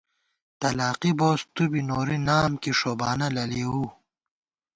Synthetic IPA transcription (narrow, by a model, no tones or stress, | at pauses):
t̪ɐlaːqiboːst̪ubinoːɾinaːmkiʂoːbaːnɐlɐliu